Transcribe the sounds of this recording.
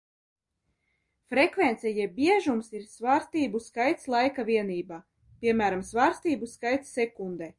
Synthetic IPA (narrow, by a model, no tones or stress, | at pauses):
fɾɛkvent̪sɛjɛbiɛʒumsiɾsvaːɾst̪iːbuskajt̪slˠajkaviɛniːbaː | pʲiɛmæːɾamsvaːɾst̪iːbuskajt̪sːɛkund̪ɛ